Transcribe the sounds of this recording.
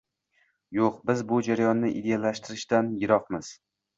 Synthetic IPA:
joqbɪzbʊd͡ʒaɾajɒnːɪʔɪ̰d̪e̞jalaʃt̪ʰɪɾɪʃt̪anjɪɾɒqmɪz̥

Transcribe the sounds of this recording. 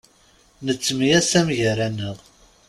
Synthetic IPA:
nət͡sːmijæsæmʝəɾænəʁ

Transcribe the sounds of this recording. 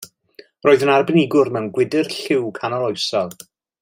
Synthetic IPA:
roːðənarbɪnɪɡʊrmɛwnɡwɪdɨrɬɪwkʰanalˠɔjsɔlˠ

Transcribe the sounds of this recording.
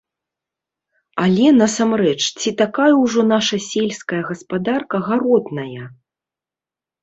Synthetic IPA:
alʲɛnɐsamrɛt͡ʂt͡sʲit̪akajɐwʐɔn̪aʂɐsʲɛlʲskɐjɐɣɐspad̪arkɐɣaɾɔd̪nɐjɐ

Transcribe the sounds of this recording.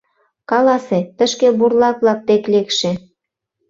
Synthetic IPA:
kɑlɑset̪ə̆ʃkeburlɑkβlɑk̚t̪eklekʃĕ

